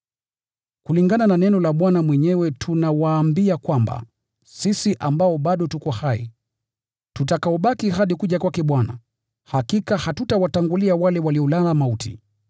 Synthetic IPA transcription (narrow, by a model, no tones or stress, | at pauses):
kuliŋɡanananɛnɔlaɓwanamwɛɲɛwɛtʰunawaːmbiakwamba̰ | sisiʔambaɔɓaɗɔtukɔhaḭ | tutakaɔɓakiɦaɗikuʄakwakɛɓwana̰ | hakikahatutawataŋɡuliawalɛwaliɔlalamautʰḭ